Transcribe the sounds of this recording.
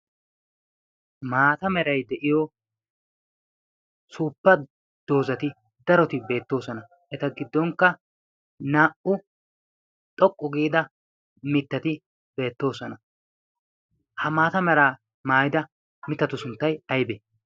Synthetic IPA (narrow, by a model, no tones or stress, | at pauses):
maːt̪ɐmɛɾɐjd̪ɛʔɪjɔ | suːpːɐ | d̪̥o̞ːzɐt̪ɪ | d̪̥ɐɾɔt̪ɪbe̞ːt̪ːo̞ːsɔnɐ | ʔɛt̪ɐɡɪd̪ːɔŋkːɐ | naːʔʊ | t̪ʼɔkʼːʊɡiːd̪ɐ | mɪt̪ːɐt̪ɪ | b̥e̞ːt̪ːo̞ːsɔnɐ | hɐmaːt̪ɐmɛɾaː | maːjɪd̪ɐ | mɪt̪ːɐt̪ːʊsʊnt̪ːɐjɐjbe